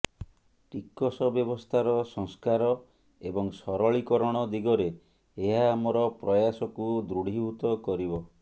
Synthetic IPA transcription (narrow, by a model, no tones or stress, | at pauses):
ʈikɔsɔbjɔbɔst̪ʰaɾɔsɔŋskaɾɔ | ebɔŋsɔɾɔɭikɔɾɔɽ̃ɔd̪iɡɔɾeː | ɦaːmɔɾɔpɾɔjasɔkud̪ɾuɽ̤iɦut̪ɔkɔɾibɔ